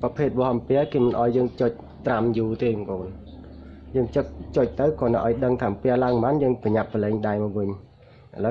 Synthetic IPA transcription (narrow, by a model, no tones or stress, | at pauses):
prɑpʰeːt̪̚ʋohmpɛəkeːmɨnʔaɔjːəːŋt͡ɕoc̚ | t̪ramjuːt̪eːkoːn | jəːŋt͡ɕɨk̚t͡ɕoc̚t̪ɨwkɔːnaʔaɔjɗəŋt̪ʰaːmpɛ̆əlaəŋmanjəːŋpəɲapːəlɛːŋɗaɛjmɔwʋɨɲ | ʔalə